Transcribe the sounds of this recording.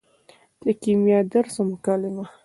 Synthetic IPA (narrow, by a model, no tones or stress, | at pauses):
d̪̥əkimjɑd̪əɾsomʊkɑlɪma